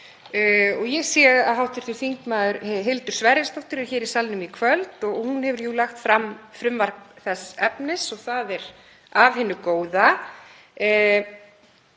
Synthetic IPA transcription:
ɔɣjɛɣsjɛɣaðɦawht̪ɪɾ̥θɪɾ̥θiŋkmaːðʏɾɦɪlt̪ʏɾ̥svɛɾɪst̪ɔwht̪ʏɾɛ̥çɛːɾɪ̥salnʏmikʰvœlt̪ɔɣhunhɛvʏɾjulaxt̪fɾamfɾʏmvar̥kθɛsːɛpnɪsɔɣθaðɛɾ | avhɪnːʏkoːwða

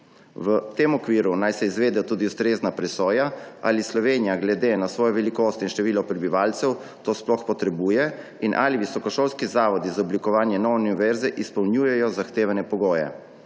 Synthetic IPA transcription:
ʋət̪eːmɔkʋiːɾunajsɛizʋeːd̪ɛt̪uːd̪iust̪ɾeːznapɾɛsɔːjaa̰lislɔʋeːnijaɡlɛd̪eːnasʋɔːjɔʋɛlikoːst̪inʃt̪ɛʋiːlɔpɾɛbiʋaːlt̪sɛw | t̪oːsplɔxpɔt̪ɾɛbuːjɛ | inʔa̰liʋisɔkɔʃoːlskizaːʋɔd̪izaɔblikɔʋaːnjɛnɔwniʋɛɾzɛʔispɔwnjuːjɛjɔzaxt̪eːʋanɛpɔɡoːjɛ̰

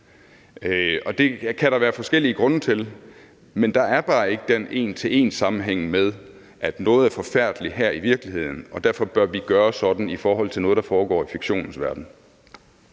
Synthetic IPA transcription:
ɒ̽d̥e̝kʰæɾɑ̈ʋæːɐfɒ̽sɡ̥el̰iəɡ̥ʁɔ̽nət͡sʰe̝l | mend̥ɑ̈æɐb̥ɑ̈ːe̝ɡ̥əd̥enʔe̝̰ːnt͡sʰe̝e̝̰ːnsɑ̈mn̩ɦeŋ̰með̞ˠ | ʔæd̥nɔ̽ːð̞̩ˠæɐfɒ̽fæɐ̰d̥liɦæɐ̰iʋiɐɡ̥lihe̝ð̞̰ˠn̩ɒ̽d̥æɐ̰fɒ̽b̥ɶɐʋiɡ̥ɶːɐsɒ̽d̥n̩ifɒːɦɒ̽l̰t͡sʰelnɔːð̞ˠd̥ɑ̈fɒːɡ̥ɒ̰ːifiɡ̥ɕo̝̰ːnn̩sʋæɐd̥n̩

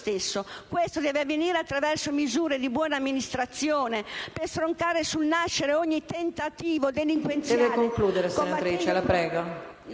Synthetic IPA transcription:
t̪esːokwest̪od̪ɛːveavːeniːɾeat̪ːɾavɛrsomizuːɾed̪ibwɔːnamːinist̪ɾat̪sːjɔːnepeɾst̪ɾoŋkaːɾesulnaʃːeɾeɔɲːit̪ent̪at̪iːvod̪eliŋkwensd̪jɛvekoŋkluːd̪eɾesoat̪ɾiːt͡ʃelapɾɛːɡo

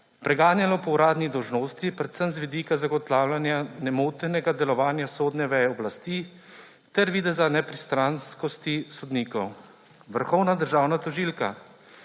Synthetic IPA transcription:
pɾɛɡaːnjalɔpɔwɾaːd̪nid̪ɔwʒnoːst̪ipɾɛt̪səmzʋid̪iːkazaɡɔt̪laːwlʲanjanɛmoːt̪ɛnɛɡad̪ɛlɔʋaːnjasoːd̪nɛʋɛjɛɔblast̪iː | t̪ɛɾʋiːd̪ɛzanɛpɾist̪ɾanskɔst̪isɔd̪niːkɔw | ʋəɾxɔwnad̪əɾʒaːwnat̪ɔʒiːlka̰

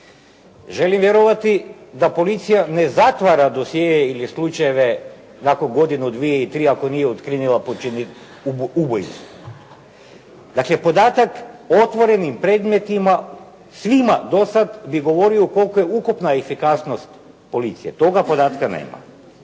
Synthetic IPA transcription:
ʒe̞limʋjeɾoʋat̪id̪apo̞lit̪sijane̞zat̪ʋaɾad̪o̞sjeːjeilislˠut͡ʃajeʋe | nakonɡo̞d̪inud̪ʋijeilt̪ɾiako̞nijeot̪kɾinilˠapot͡ʃini | ubojsu | d̪akle̞po̞d̪aːt̪akot̪ʋo̞ɾe̞nimpɾe̞ːd̪me̞t̪ima | sʋimad̪o̞sad̪biɡo̞ʋo̞ɾioko̞lˠkoje̞ukupnaefikasnost̪ | po̞lit̪sijet̪o̞ɡapo̞d̪aːt̪kanḛma̰

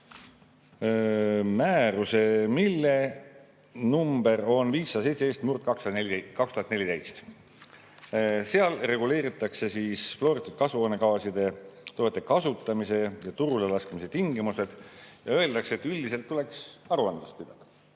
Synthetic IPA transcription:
mæːɾuse̞milːe̞ | numbe̞ɾo̞nviːsːɑd̪sejt̪seeːst̪murt̪̚kɑkskɑkst̪uhɑt̪nelid̪ejst̪ | se̞ɑlre̞ɡule̞ːɾit̪ːˑɑkse̞siːsflo̞ɾit̪ːit̪̚kɑsuoːne̞kɑːsid̪̥e̞t̪o̞ːet̪ːˑe̞kɑsut̪ːˑɑmise̞jɑt̪uɾulelɑskmise̞t̪iŋɡimuse̞d̪̥jɑø̞e̞ld̪ɑkseet̪ːyld̪ise̞lt̪ːule̞ksɑɾuɑnd̪lɑst̪̚pid̪̥ɑd̪̥ɑ̥

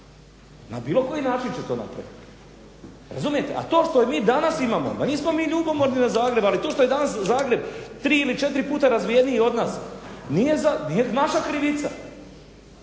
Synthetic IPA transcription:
na̰biːlˠo̞ko̞jinaːt͡ʃint͡ɕet̪o̞ːna̰pɾa̰ʋit̪ | ɾa̰zumije̞t̪e̞̰ʔa̰t̪o̞ːʃt̪o̞jemiːd̪anasimaːmo̞̰d̪aniːsmo̞miːʎuːbomo̞ɾninazaːɡɾe̞balit̪oʃt̪oe̞d̪anaszaːɡɾe̞bt̪ɾiːilit͡ʃe̞t̪ɾipuːt̪aɾazʋijeniio̞d̪naːsniːje̞zanijenaʃakɾiʋit̪sa̰

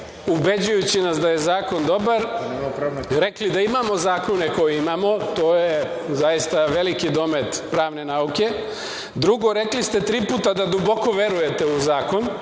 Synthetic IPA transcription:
ubed͡ʑujut͡ɕinasd̪aje̞zaːko̞nd̪o̞baɾ | ɾe̞klid̪aimamo̞zaːko̞neko̞jeimamo̞t̪oːje | zajist̪aʋe̞likid̪o̞me̞t̪pɾaːʋne̞nauke̞ | d̪ɾuɡo̞ɾe̞klist̪e̞t̪ɾiːpuːt̪ad̪ad̪ubo̞ko̞ʋe̞ɾuje̞t̪e̞uzaːko̞n

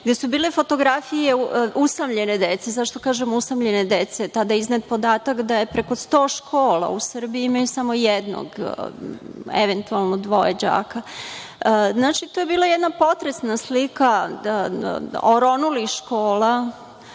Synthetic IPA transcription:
ɡd̪e̞subiːlefo̞t̪o̞ɡɾafije̞ʔusamʎe̞ned̪et̪sezaʃt̪o̞kaːʒemusamʎe̞ned̪et̪set̪ad̪ajiznat̪̚po̞d̪aːt̪akd̪ajepɾe̞ko̞st̪oːʃkʰoːla̰usr̩biiimajusamo̞jed̪no̰ɡ | ḛʋent̪ualˠnod̪ʋojed͡ʑa̰ːka | znaːt͡ʃit̪ojebiːlˠajɛd̪napo̞t̪ɾesnaslika | oɾonuliʃkoːla

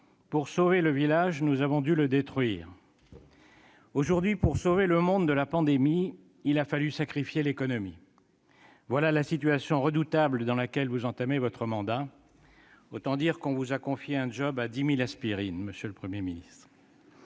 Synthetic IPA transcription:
puʁsoveləvilaʒnuzavɔ̃d̪yləd̪et̪χɥiːʁ | oʒuʁd̪ɥipuʁsoveləmɔ̃d̪d̪əlapɑ̃d̪emi | ilafalysakχifjelekɔnɔmi | vwalalasit̪ɥasjɔ̃ʁəd̪ut̪abld̪ɑ̃lakʲɛlvuzɑ̃t̪amevɔt̪χəmɑ̃d̪a | ot̪ɑ̃d̪iʁkɔ̃vuzakɔ̃fjeɛ̃d͡ʒɔbad̪imilaspiʁinməsjøləpχəmjeminist̪χ

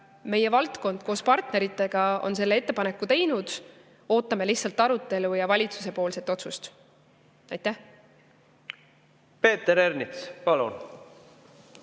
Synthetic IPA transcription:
me̞je̞vɑlt̪ko̞nd̪̥ko̞ːspɑrt̪ne̞ɾit̪ːˑe̞ɡ̥ɑo̞̰nse̞lːe̞e̞t̪ːe̞pɑne̞kːˑut̪e̞jnud̪̥ | o̞ːt̪ːˑɑme̞liçtsɑlt̪ːˑɑɾut̪ːˑe̞lujɑvɑlʲit̪su̥se̞po̞ːlse̞t̪ːo̞t̪sust̪ | ɑjt̪ːæh | pe̞ːt̪eɾeɾnispɑlṵn

